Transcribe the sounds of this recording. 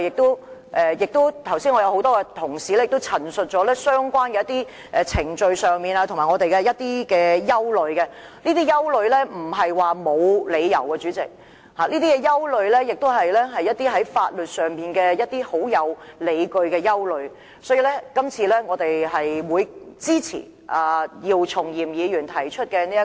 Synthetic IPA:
jɪ˨k̚t̪o˥wʔɛː˨jɪ˨k̚t̪o˥wt̪ʰɐ˨˩wsiː˥nŋɔ˧jɐ˧who˨˥wt̪ɔː˥kɛ˧t̪ʰʊ˨˩ŋsiː˨lɛː˥jɪ˨kt̪wt͡sʰɐ˨˩nsɵ˨t̚t͡ʃɔː˨˥lɛː˥sœː˥ŋkʷwaː˥nkɛ˧˦ɐ˥t̪iː˥ | ʔɛ˨˧t͡sʰɪ˨˩ŋt͡ʃɵ˧ɥsœː˨ŋmiː˨naː˧t̪ʰʊ˨˩maː˨˩ŋɔː˨˧t̪e˨jkɛ˧jɐ˥t̚t̪iː˥kɛː˧jɐ˥wlɵ˨˧ɥkɛ˧ | niː˥t̪iː˥jɐ˥wlɵ˨˧ɥlɛː˥m̩˨˩ɦɐ˨jwaː˨mo˨˧wle˨˧jjɐ̰˨˩wkɛː˧t͡ʃyː˨˥t͡sɪ̰˨k̚ | haː˨niː˥t̪iː˥kɛ˧jɐ˥wlɵ˨˧ɥlɛː˥jɪ˨k̚t̪o˥wɦɐ˨jlɛː˥ɦɐ˨jːɐ˥t̚t̪iː˥ɦɐ˨˥jfaː˧t̚lɵ˨t̚sœː˨ŋmiː˨nkɛː˧jɐ˥t̚t̪ːiː˥ho˨˥wjɐ˨˧wle˨˧jkɵ˧ɥkɛː˧jɐ˥wlɵ˨˧ɥ | sɔː˨˥jiː˨˧lɛ˥kɐ˥mt͡sʰiː˧lɛː˥ŋɔː˨˧t̪e˨jɦɐ˨jwuː˨˧jt͡siː˥t͡sʰḭː˨˩ | ʔaː˨˩jiː˧wt͡sʰʊ˨˩ŋjiː˨˩mjiː˨˧jyː˨˩nt̪ʰɐ˨˩jt͡ʃʰɵ˥t̚kɛ˧niː˥jɐ˥

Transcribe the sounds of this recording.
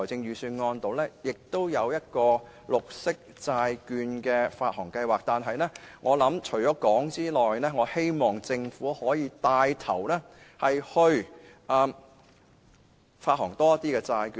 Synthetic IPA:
t͡sɪ˧ŋjyː˨˧syː˧nŋɔː˧nt̪o˨˥wlɛː˥jɪ˨k̚t̪o˥wjɐ˨˧wjɐ˥t̚kɔː˧ | lʊ˨k̚sɪ˥k̚t͡saː˧jkyː˧nkɛː˧faː˧t̚hɔː˨˩ŋkɐ˧jwaː˨k̚t̪aː˨nɦɐ˨jlɛ˥ŋʔɔː˨˧lɐ˨˥mt͡ʃʰɵ˨˩ɥjɔː˨˥kɔː˨˥ŋt͡siː˥lɔː˨jlɛː˥ŋɔː˨˧he˥jmɔː˨˩ŋt͡sɪ˧ŋfuː˨˥hɔː˨˥jiː˨˧t̪aː˧jt̪ʰɐ̰˨˩wlɛ˥ | hɐ˨jhɵ˧ɥ | ʔɐː˨m | faː˧t̚hɔː˨˩ŋt̪ɔː˥jɐ˥t̪iː˥kɛː˧t͡saː˧jkyː˧

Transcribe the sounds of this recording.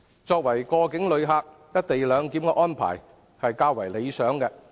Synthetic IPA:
t͡sɔː˧k̚wɐ˨˩jkɔː˧kɪ˨˥ŋlɵ˨˧ɥɦaː˧k̚jɐ˥t̚t̪e˨jlœː˨˧ŋkiː˨˥mkɛ˧ʔɔː˥npʰa̰ː˨˩j | hɐ˨jkaː˧wɐ˨˩jle˨˧jsœː˨˥ŋkɛː˧

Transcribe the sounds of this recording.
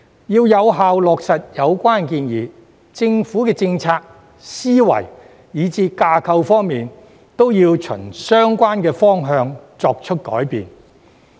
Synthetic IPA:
jiː˧wjɐ˨˧wɦaː˨wlɔː˨k̚sɐ˨t̚jɐ˨˧wkʷaː˥nkiː˧njiː˨˩ | t͡sɪ˧ŋfuː˨˥kɛː˧t͡sɪ˧ŋt͡sʰaː˧k̚ | siː˥wɐ̰˨˩j | jiː˨˧t͡siː˧kaː˧kʰɐ˧wfɔː˥ŋmiː˨n | t̪o˥wjiː˧wt͡ʃʰɵ̰˨˩nsœː˥ŋkʷaː˥nkɛː˧fɔː˥ŋɦœː˧ŋt͡sɔː˧k̚t͡ʃʰɵ˥t̚kɔ̰ː˨˥jpḭː˨˧n

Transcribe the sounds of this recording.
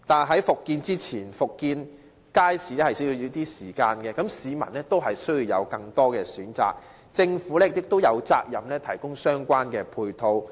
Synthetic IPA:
t̪aː˨˩nɦɐ˨˥jfʊ˨kːiː˧nt͡siː˥t͡sʰiː˨˩nfʊ˨kːiː˧n | kaː˥jsiː˨˥lɛ˥hɐ˨jsji˧wjiː˨˧t̪iː˥siː˨˩kaː˧nkɛː˧kɐ˨˥msiː˨˧mɐ̰˨˩nlɛ˥t̪o˥wɦɐ˨jsɵ˥ɥjiː˧wjɐ̰˨˧wkɐ˧ŋt̪ɔː˥kɛː˧syː˨˥nt͡sa̰ː˨˩k̚ | t͡sɪ˧ŋfuː˨˥lɛː˥˨k̚ɪ˨˩k̚t̪o˥wjɐ˨˧wt͡sa̰ː˧k̚jɐ˨mlɛː˥t̪ʰɐ˨˩jkʊ˥ŋsœː˥ŋkʷaː˥nkɛː˧pʰuː˧jt̪ʰo˧w

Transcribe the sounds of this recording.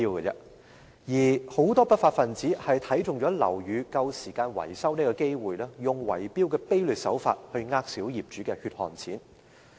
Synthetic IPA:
iː˧wkɐ˧ɛ̰˧ | jiː˨˩ho˨˥wt̪ɔː˥pɐ˥t̚faː˧t̚fɐ˨nt͡siː˨˥hɐ˨jt̪ʰɐ˨˥jt͡sʊ˨ŋt͡ʃɔː˨˥lɐ̰˨˩wjyː˨˧kɐ˧wsiː˨˩kaː˧nwɐ̰˨˩jsɐ˥wniː˥kɔː˧ke˥jwuː˨jlɛː˥jʊ˨ŋwɐ̰˨˩jpiː˥wkɛː˧pe˥jlyː˨t̚sɐ̰˨˥wfa̰ː˧t̚hɵ˧ɥŋaː˧k̚siː˨˥wjiː˨p̚t͡ʃyː˨˥kɛː˧hyː˧t̚hɔ̰ː˨nt͡sʰḭː˨˥n

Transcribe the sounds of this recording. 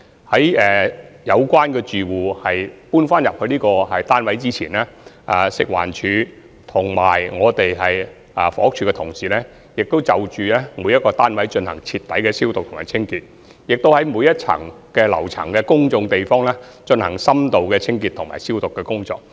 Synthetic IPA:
hɐ˨˥jɛː˨jɐ˨˧wkʷwaː˥nkɛː˧t͡ʃyː˨wuː˨˩hɐ˨jpuː˥nfaː˥njɐ˨p̚kʰɵ˧liː˥kɔː˧ɦɐ˨jt̪aː˥nwɐ˨˥jt͡siː˥t͡sʰiː˨˩nɛː˥ʔaː˨˩sɪ̰˨k̚wa̰ː˨˩nt͡ʃʰyː˨˧ | t̪ʰʊ˨˩ŋma̰ː˨˩jŋɔː˨˧t̪e˨jɦɐ˨j | aː˨˩fɔ̰ː˨˥k̚t͡ʃʰyː˨˧kɛ˧t̪ʰʊ˨˩ŋsiː˨˩lɛː˥ | jɪ˨k̚t̪o˥wt͡sɐ˨wt͡ʃyː˨lɛː˥muː˨˧jɐ˥t̚kːɔː˧t̪aː˥nwɐ˨˥jt͡ʃɵ˧nhɐ˨˩ŋt͡sʰi˧t̚t̪ːɐ˨˥jkɛ˧siː˥wt̪ʊ˨k̚t̪ʰŋmaː˨˩t͡sʰɪ˥ŋkiː˧t̚ | jɪ˨k̚t̪o˥whɐ˨˥jmuː˨˧jɐ˥t̚t͡sʰɐ̰˨˩ŋ | kɛː˧lɐ̰˨˩wt͡sʰɐ̰˨˩ŋkɛ˧kʊ˥ŋt͡ʃʊ˧ŋt̪e˨jfɔː˥ŋlɛː˥ | t͡ʃɵ˧nhɐ˨˩ŋsɐ˥mt̪o˨wkɛː˧t͡sʰɪ˥ŋkiː˧t̪ʰʊ˨˩ŋma̰ː˨˩jsiː˥wt̪ʊ˨kːɛː˧kʊ˥ŋt͡sɔ̰ː˧k̚

